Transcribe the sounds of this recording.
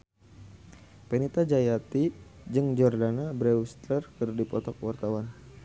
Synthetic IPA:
pɛnit̪ad͡ʒajat̪i | d͡ʒɨŋd͡ʒɔrdanabɾɛust̪lərkərdipɔt̪ɔk̚wart̪awan

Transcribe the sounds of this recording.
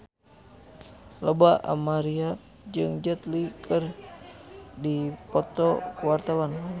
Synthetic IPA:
ləbaa̰maɾia | d͡ʒɨŋd͡ʒət̪likʰɨr | dipɔt̪ɔkəwart̪awan

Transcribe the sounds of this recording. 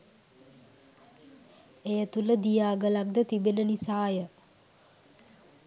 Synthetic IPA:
ejət̪uləd̪ijaːɡəlak̚d̪ət̪ibenənisaːjə

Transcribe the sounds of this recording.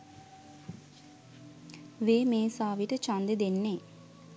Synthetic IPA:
ʋeːmeːsaːʋiʈət͡ʃand̪ed̪enːe

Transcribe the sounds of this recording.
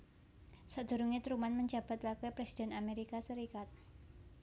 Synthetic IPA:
sad̪̥ṳɾuŋit̪ɾumanməɲd͡ʒa̤b̥a̤t̪wakɛpɾesid̥ɛ̤nameɾikasəɾikat̪̚

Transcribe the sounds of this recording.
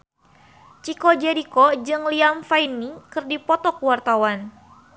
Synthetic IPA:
t͡ʃikɔd͡ʒɛɾikɔd͡ʒɨŋliamfainikɨrdipɔt̪ɔkəwart̪awan

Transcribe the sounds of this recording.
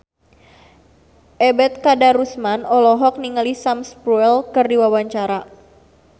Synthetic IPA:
ʔɛbɛt̪̚kadaɾusmanɔlɔɦɔk̚niŋalisamspɾuɛlkərdiwawaɲt͡ʃaɾa

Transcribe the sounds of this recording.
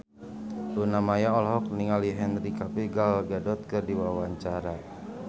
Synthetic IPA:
lunamajaɔlɦɔkniŋaliɦɛnrikapiɡalɡadɔt̪̚kərdiwawaɲt͡ʃaɾa

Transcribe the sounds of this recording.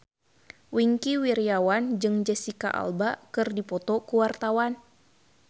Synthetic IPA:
wiŋkiwiɾiawand͡ʒɨŋd͡ʒɛsika̰ʔa̰lbakɨrdipɔt̪ɔkuwart̪awan

